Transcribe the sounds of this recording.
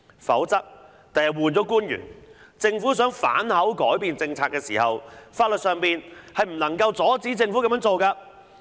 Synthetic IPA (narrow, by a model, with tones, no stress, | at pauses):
fɐ̰˨˥wt͡sɐ˥p̚ | t̪ɐ˨jɐ˨t̚wuː˨nt͡ʃɔː˨˥kuː˥njy̰ː˨˩n | t͡sɪ˧ŋfuː˨˥s̬œː˨˥ŋfa̰ː˨˥nhɐ˨˥wkɔː˨˥jpiː˨nt͡sɪ˧ŋt͡sʰaː˧t̚kɛː˧siː˨˩hɐ˨wfaː˧t̚lɵ˨t̚sœː˨˧ŋpiː˨nhɐ˨jm̩˨˩nɐ˨˩ŋkɐ˧wt͡sɔː˨˥t͡siː˨˥t͡sɪ˧ŋfuː˨˥kɐ˧mjɐ˨˥nt͡so˨wkaː˧